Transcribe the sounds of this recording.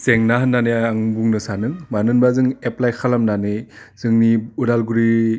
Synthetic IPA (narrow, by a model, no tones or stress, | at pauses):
seŋnaɦɯnːanejaŋbuŋnɯsanɯŋmanɯnbazɯŋeplajkʰalamnanɯjzɯŋniudalɡuɾi